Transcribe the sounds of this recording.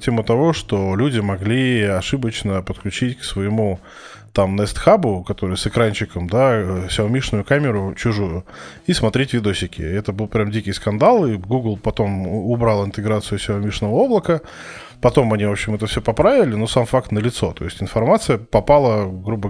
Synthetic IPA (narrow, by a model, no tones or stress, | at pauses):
tʲemʊt̪ɐvoʂt̪olʲudʲɪmɐɡlʲiɐʂɨbət͡ɕnəpət̪klʲʉt͡ɕitʲksvəjɪmu | t̪amnəɛst̪xabʊkɐt̪o̞ɾɨjsɨkɾanʲt͡ɕɪkəmd̪asʲɪvomʲiʂnʊjʊkamʲɪɾʊt͡ɕʊʐujʊ | ismɐt̪ɾʲetʲvʲɪd̪oɕɪkʲɪ̰ɛt̪əbɨlˠpɾʲamdʲikʲɪjskɐnd̪alˠiɡuɡlˠpɐt̪o̞mʊbɾalˠɪnt̪ɨɡɾat̪sɨjʊsʲɪvomʲiʂnəvəo̞blˠəkə | pɐt̪o̞mɐnʲivopɕɪmɛt̪əfsʲɵpɐpɾavʲɪlʲɪnosamfakt̪nəlʲɪt̪so̞t̪o̞̰ɪsʲtʲɪnfɐrmat̪sɨjəpɐpalˠəɡɾubə